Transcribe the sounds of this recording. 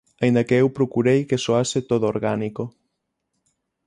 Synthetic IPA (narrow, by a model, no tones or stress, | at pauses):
ɐĩnd̪ɐkeewpɾokuɾejkesoaset̪oðooɾɣaniko